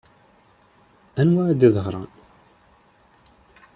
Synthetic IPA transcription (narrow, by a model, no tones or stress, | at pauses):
ænwæd̪iðəʁɾˤɑ̰n